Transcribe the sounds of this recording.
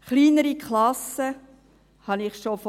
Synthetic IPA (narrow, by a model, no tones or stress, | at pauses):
χliːnəɾikʰlɑsə | hɑnɪχʃof